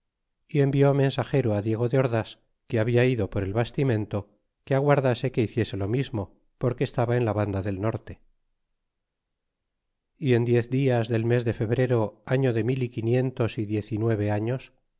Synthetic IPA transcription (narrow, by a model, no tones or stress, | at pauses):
ie̞mbjoamẽ̞nsaxe̞ɾoaðje̞ɣ̞o̞ðeo̞ɾðas | keaβiaiðo̞po̞ɾe̞lβast̪imẽ̞nt̪o̞ | keaɣ̞waɾðase̞ke̞iθje̞se̞lo̞mizmo̞ | po̞ɾke̞ːst̪aβae̞nlaβand̪aðe̞lno̞ɾt̪e | ie̞nd̪je̞θd̪iazðe̞lme̞zðe̞fe̞βɾe̞ɾo̞aɲo̞ðe̞milikinje̞nt̪o̞siðje̞θinwe̞β̞e̞aɲo̞s